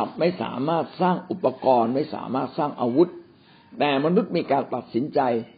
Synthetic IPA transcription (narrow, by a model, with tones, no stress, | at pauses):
a˨˩p̚ma˥˩jsa̰ː˩˦maː˥˩t̪̚saː˥˩ŋʔu˨˩pːa˧kɔː˧nma˥˩jsa̰ː˩˦maː˥˩t̪̚saː˥˩ŋʔaː˧wu˦˥t̪̚ː | ɛː˨˩ma˧nu˦˥t̪̚miː˧kaː˧nt̪a˨˩t̪̚si˩˦nt͡ɕa˧j